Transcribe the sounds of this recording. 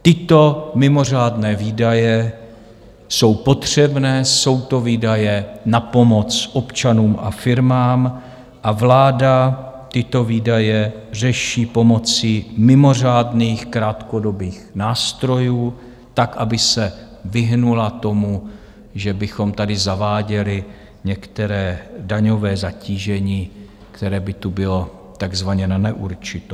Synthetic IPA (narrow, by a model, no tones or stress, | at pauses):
t̪ɪt̪o̞mɪmo̞r̝aːdnɛːviːdajɛ | so̞wpo̞t̪r̝̥ɛbnɛːso̞wt̪o̞viːdajɛnapo̞mo̞t͡sʔo̞pt͡ʃanuːmʔa̰fɪɾmaːm | ʔavlaːdat̪ɪt̪o̞viːdajɛr̝ɛʃiːpo̞mo̞t͡sɪmɪmo̞r̝aːdniːxkɾaːt̪ko̞do̞biːxnaːst̪ɾo̞juː | t̪akʔabɪsɛ | vɪɦnulat̪o̞mu | ʒɛbɪxo̞mt̪adɪzavaːɟɛlɪ | ɲɛkt̪ɛɾɛːdaɲo̞vɛːzaciːʒɛɲiː | kt̪ɛɾɛːbɪt̪ubɪlo̞ | t̪aɡzvaɲɛnanɛʔuɾt͡ʃɪt̪o